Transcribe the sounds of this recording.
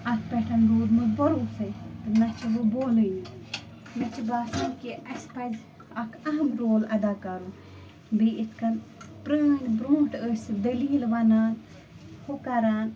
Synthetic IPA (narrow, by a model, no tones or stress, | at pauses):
ɐkʰpɛʈʰɐnɾuːd̪mɐbɐɾuːsɐjt̪ɐnɐt͡ʃiʋɨboːləji | nɐt͡ʃʰibaːsɐ̃nkiʔɐspɐz | ɐkʰɐɦɐmɾoːlɐd̪aːkɐɾu | biit̪ʰkʰɐnpɾəːŋɡbɾõːʈəsd̪əliːlʋɐnaːn | hokɐɾaːn